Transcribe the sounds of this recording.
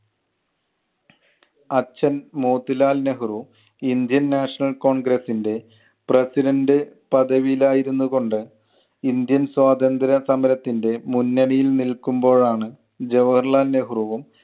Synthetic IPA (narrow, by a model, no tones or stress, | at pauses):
ɐt͡ɕːɐnmoːt̪ːilaːlneɦuru | ind̪jɐnːaːʂɐɳɐlko̞ːɳɡɾɐsːinde̞ | presiɾɐndɨpɐd̪ɐʋijilaːjiɾunːuɣo̞ɳɖɨ | ind̪jɐnswaːd̪ɐnd̪ɐɾɐsɐmɐɾɐt̪ːinde̞munːɐɳijilnilkːumbo̞ːɻaːɳɨ | d͡ʑeʋɐrlaːlneɦuruʋum